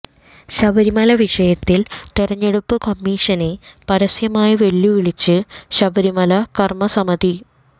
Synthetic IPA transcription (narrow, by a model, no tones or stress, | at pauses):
ɕɐbɐɾimɐlɐʋiʂɐjɐt̪ːilt̪irɐɲːeɽupːɨkɐmːiːʂɐnepɐɾɐsjɐmaːjiʋeɭːuʋiɭit͡ɕːɨɕɐbɐɾimɐlɐkɐrmɐsɐmɐd̪i